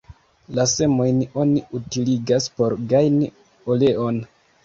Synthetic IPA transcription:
lase̞mo̞jno̞niutiliɡaspo̞ɾɡajni | ole̞ʔo̞n

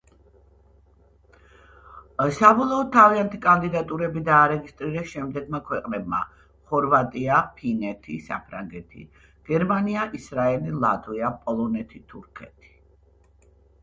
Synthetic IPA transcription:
sabɔlˠɔɔd̪̚t̪ʰːaviant̪ʰikʼand̪id̪at̪ʼuɾɛbid̪aːɾɛɡist̪ʼɾiɾɛsʃɛmd̪ɛɡmakʰwɛqʼnɛb̚ma̰ | χɔɾvat̪ʼiapʰinɛt̪ʰḭsa̰pʰɾaŋɡɛt̪ʰḭ | ɡ̥ɛɾmaniaʔisɾaɛlilˠa̰t̪ʰʼviapʼɔlˠɔnɛt̪ʰit̪ʰuɾkʰɛt̪ʰi̥

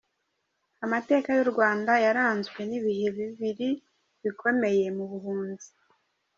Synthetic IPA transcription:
amate̞ːkajoɾɡwaːndajaɾaːnzɡwe̞niβihe̞βiβiɾi | βikʰo̞me̞je̞muβuhuːnzi̥

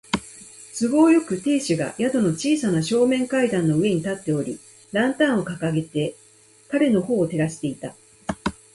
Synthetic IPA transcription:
sɨɡo̞ːjo̞kɯ̟t̪e̞ːɕiɡa̰jad̪o̞no̞t͡ɕiːsanaɕo̞ːmẽ̞ŋkaid̪ãnːo̞ɯ̟e̞ɲ̟it̪at̪ːe̞o̞ɾʲi | ɾãnt̪ãɰ̃o̞kakaɡe̞t̪e̞ | kaɾe̞no̞ho̞ːt̪e̞ɾaɕi̥t̪e̞it̪a

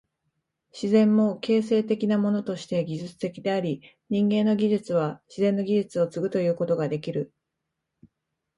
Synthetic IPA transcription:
ɕizẽ̞mːo̞ke̞ːs̬e̞ːt̪e̞kʲinamo̞no̞t̪o̞ɕi̥t̪e̞ɡʲiʑɨt͡sɨ̥t̪e̞kʲid̪e̞aɾʲi | ɲ̟ĩŋɡẽ̞nːo̞ɡʲiʑɨt͡sɨβ̞aɕizẽ̞nːo̞ɡʲiʑɨt͡sɨo̞t͡sɨɡɯ̟t̪o̞jɯ̟ːko̞t̪o̞ɡad̪e̞kʲiɾɯ̟

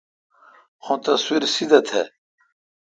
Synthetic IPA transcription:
xõt̪ɐswiɾsid̪ɐt̪ʰḛ

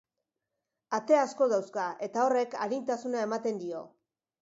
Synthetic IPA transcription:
at̪e̞asko̞ðawskae̞t̪ao̞re̞ka̰ɾint̪asunae̞mat̪e̞nd̪io̞̰

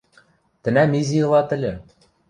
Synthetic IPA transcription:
t̪ɘ̆næmizʲijɤ̆lˠɑt̪ɘ̆lʲɘ̆

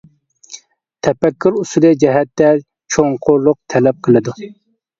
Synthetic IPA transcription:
t̪ʰɛpɛkʲːuɾusulɨd͡ʒɛɦɛt̪ːɛ | t͡ʃʰoŋqʰoɾlˠʊq̚t̪ʰɛlɛp̚qʰəlˠɨd̪u

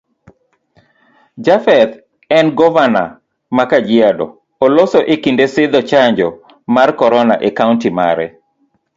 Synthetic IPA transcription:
d͡ʒafɛt̪ | ɛnɡɔvana̰ | makad͡ʒɪadɔ̰ | olosɔʔekindesɪd̪ɔt͡ʃaɲd͡ʒɔ | markɔɾɔna̰ʔekaʊntima̰ɾɛ

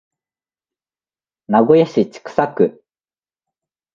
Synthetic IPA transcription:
naɡojaɕit͡ɕi̥kɯ̥sakɯ̟

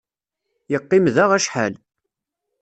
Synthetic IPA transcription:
jəqːɪmðaʁæʃħæ̰l

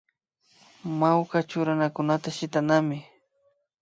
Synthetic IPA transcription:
mawkat͡ʃʊɾanakʊnat̪aʃɪt̪anamɪ

